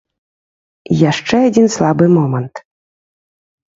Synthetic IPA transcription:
jaʂt͡ʂɛadʲinslˠabɨmɔmənt̪

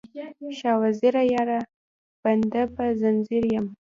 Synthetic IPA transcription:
ʃɑwaziɾajɑɾa | b̥and̪apazanziɾjam

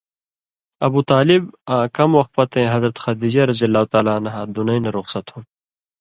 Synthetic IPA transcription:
ɐbuːt̪aːlibãːkɐmwɐxt̪̚pɐt̪ẽːɦɐzɾɐt̪xɐd̪iːd͡ʑɐɾɐzijɐlːaːut̪aːlaːnɐɦaːd̪unɐjnɐɾoxsɐt̪hũn

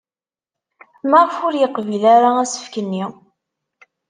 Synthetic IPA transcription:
məʁˤfʊɾjəqːvilaɾaæsə̥fkənːi

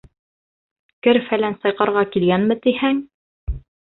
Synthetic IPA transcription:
kɘɾfælænsɑjqɑɾʁɑkilɡænmɘt̪ihæŋ

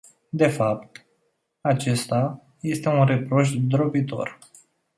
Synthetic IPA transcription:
d̪e̞fap̚t̪ | at͡ʃe̞st̪a | je̞st̪e̞unre̞pɾo̞ʃ̬d̪ɾobit̪o̞̰r

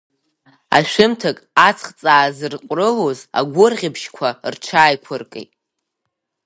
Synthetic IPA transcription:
a̰ʃᶣɪmtʰɨkʼat͡sʰχt͡sʼaːzɨrqʷʼrɨloza̰ɡʷʊrʁʲɪbʃkʷʰart͡ʃʰaːjkʷʰʊrkʼḛjtʼ

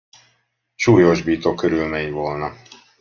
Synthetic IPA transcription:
ʃuːjoʒbiːt̪okːøɾylmeːɲvolnɒ

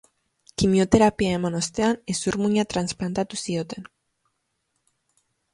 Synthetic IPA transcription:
kimjot̪eɾapiaemonost̪eanesuɾmuɲat̪ɾansplant̪at̪usiot̪en

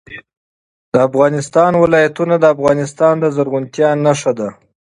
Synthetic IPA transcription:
d̪̥əafɣɑnɪst̪ɑnwɪlɑjat̪unad̪əafɣɑnɪst̪ɑnd̪əzaɾɣʊnt̪jɑnaʂad̪a

